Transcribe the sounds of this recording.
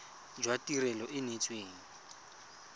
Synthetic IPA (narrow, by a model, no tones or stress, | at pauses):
d͡ʒwatʼirɛlɔʔɪnet͡sʼweːŋ̩